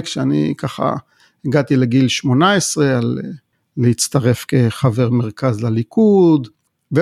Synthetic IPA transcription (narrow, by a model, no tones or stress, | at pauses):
kʃeanḭkaχa̰ | eɡat̪ileɡilʃmo̞naesʁe̞alː | eit͡st̪aʁe̞fke̞χaveʁmeʁkazlalikud̪ | ve